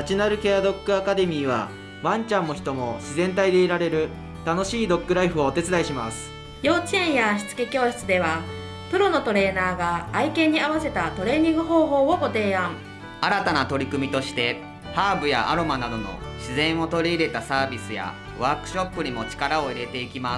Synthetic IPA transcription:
at͡ɕinaɾɯ̟kead̪o̞kːɯ̟akad̪e̞mʲiːβa̰ | βãɲt͡ɕãnːo̞çi̥t̪o̞mo̞ɕizẽ̞nt̪aid̪e̞iɾaɾe̞ɾɯ̟ | t̪ano̞ɕiːd̪o̞kːɯ̟ɾaiɸɯ̟o̞ːt̪e̞t͡sɨd̪aiɕimasɨ̥ | jo̞ːt͡ɕiẽɰ̃jaɕi̥t͡sɨ̥ke̞kʲo̞ːɕi̥t͡sɨd̪e̞βa | pɯ̟ɾo̞no̞t̪o̞ɾe̞ːnaːɡaːikẽ̞ɲ̟ːiaβase̞t̪at̪o̞ɾe̞ːɲ̟ĩŋɡɯ̟ɦo̞ːɦo̞ːo̞ɡo̞t̪e̞ːãŋ | aɾat̪anat̪o̞ɾʲikɯ̟mʲit̪o̞ɕi̥t̪e̞ | haːbɯ̟ja̰ʔa̰ɾo̞manad̪o̞no̞̰ɕizẽ̞ɰ̃o̞t̪o̞ɾʲiːɾe̞t̪asaːbʲisɨja̰ | βaːkɯ̟̥ɕo̞pːɯ̟ɲ̟imo̞t͡ɕi̥kaɾaoiɾe̞t̪e̞ikʲimas

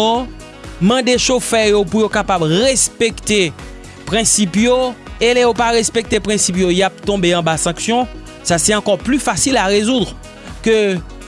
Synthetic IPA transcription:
o | mɑ̃d̪eʃofɛjopujokapabʁespekt̪e | pʁɛ̃sipjoelejopaʁespek̚t̪epʁɛ̃sipjojap̚t̪ɔ̃beɑ̃basɑ̃ksjɔ̃ | sasɛɑ̃kɔʁplyfasilaʁezud̪ʁ | kø

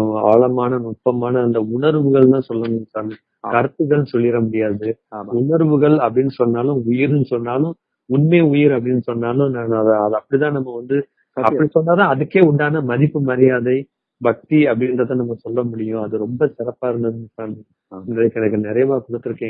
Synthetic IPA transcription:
aːlɐmaːnɐnʊʈpːɐmaːnɐːnd̪ɐʊɳɐɾʋɯɣɐɭt̪ãːsɔlːɐnɯnɯsaːnɯ | kɐɾɯt̪ːɯɣɐɭsɔlːɪɾɐmʊɽɪjaːðɯʊɳɐɾʋɯɣɐɭɐpːɐɽɪnːɯsɔnːaːlʊ̃ʊjɪɾnːɯsɔnːaːlʊ̃ | ʊnmeːʊjɪɾɐpːɐɽɪnːɯsɔnːaːlʊ̃nanɐðɐðɐɐpːɐɽit̪̬ãːnɐmːɐʋɐnd̪ɯ | ɐpːɐɽisɔnːaːt̪ãːɐðɯkːeːʊɳɖaːnɐmɐðɪpːɯmɐɾɪjaːðɐɪ | bɐk̚t̪iɐpːɐɽɪnrɐðãːnɐmːɐsɔlːɐmʊɽɪjʊ̃ɐðɯɾɔmbɐsɪɾɐpːaːɪɾɯnd̪ɐðɯnːɯsaːnɯ | nd̪ɐðɯkɛnɐkːɯnɪɾɐjɐmaːkʊɽɐt̪ːɯɾɯkːẽːŋ

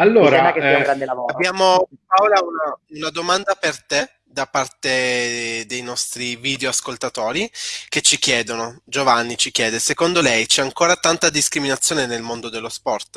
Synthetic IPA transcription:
alːoːɾɛakeɡɾand̪elavoːabjaːmopawlaunaunad̪omand̪apert̪e | d̪apart̪ed̪ejnɔst̪ɾiviːd̪eoaskolt̪at̪oːɾik̟et͡ʃːik̟jɛːd̪onod͡ʒovanːit͡ʃik̟jɛːd̪esekond̪olɛjt͡ʃɛaŋkoːɾat̪ant̪ad̪iskɾiminat̪sːjoːnenelmond̪od̪elːospɔrt̪

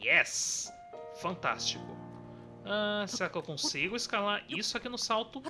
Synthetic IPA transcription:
jɛs | fɐ̃nt̪a̰st͡ʃikʊ̰ | aseɾakɪewkõsiɡʊɪskalaɾisʊakinʊsawt̪ʊ

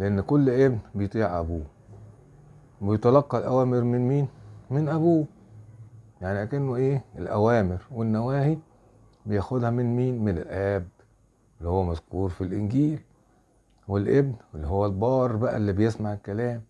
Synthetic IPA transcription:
leʔenːkolːʔebnbejet̪ˤiːʕʔæ̰buː | wbejet̪ˤɑlɑqːɑlʔæwæːmɪɾmɪnmiːnmenʔæbuː | jaʕniʔækænːʔeːelʔæwæːmɪɾwenːæwæːhi | bejæxod̪hæmɪnmiːnmenelʔæːb | elːihowːæmæzkuːɾfilʔɪnɡiːl | welʔebnelːihowːælbɑːɾˤbæʔæ̰lːibejesmaʕelkælæːm

